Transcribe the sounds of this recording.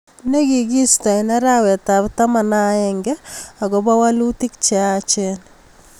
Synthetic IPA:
ne˦ɡi˨ɡi˦sta˨nɛ˦ɾa˦wɛ˨ta˨bta˦ma˨na˦jɛŋɡɛ˦a˨ɡɔ˨˦ba˦wa˦lu˦ti˦k̚t͡ʃɛ˨at͡ʃɛ˦n

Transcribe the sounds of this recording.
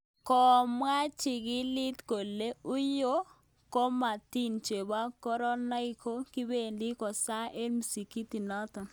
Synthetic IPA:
kɔ˨mwa˦t͡ʃɪ˨ɡɪ˦lɪ˦t̪ko˨le˦ʊ˦jo˦ | ko˦ma˨t̪i˦nt͡ʃe˨ba˦kɔ˦ɾɔ˦na˦i˦kʰo˦kɪ˦be˦˨ndɪ˦kɔ˨sa˦ʔe˦lm˨si˨ki˦t̪i˨nɔ˦t̪ɔ˨

